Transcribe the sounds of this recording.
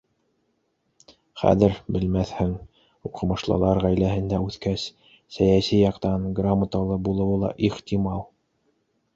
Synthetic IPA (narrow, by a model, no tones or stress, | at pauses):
χæ̰ðɘɾbɘ̆lmæθhɘŋ | uqɤ̆mɤ̆ʃlˠɤ̰lˠɑɾʁæjlæɦɘ̆nd̪æʉθkæs | sæjæsijɑqt̪ɑnɡramːat̪ɑlˠɤbulˠɤ̆wɤlˠɑ̰ʔiχt̪ʲimɑlˠ